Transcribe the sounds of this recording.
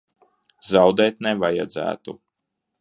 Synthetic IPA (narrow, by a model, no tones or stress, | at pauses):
zawd̪ɛːt̪nɛvaja̰d̪zæ̰ːt̪u